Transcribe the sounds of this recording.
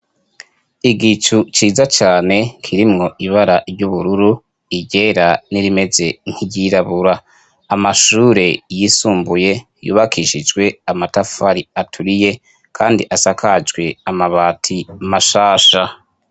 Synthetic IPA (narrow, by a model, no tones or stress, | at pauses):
iɡit͡ʃut͡ʃiːzat͡ʃaːne̞kʰiɾimŋo̞ʔiβaɾaɾɟuβuɾuɾu | iɟe̞ɾaniɾime̞ze̞ŋ̥hiɟiɾaβuɾaː | maʃuːɾe̞jisuːmbuje̞ | jṵːβakiːʃid͡ʒɡwe̞amatafaɾiatʰuɾije̞ | kʰaːndiʔasakʰad͡ʒɡwe̞amaβaːtʰimaʃaːʃa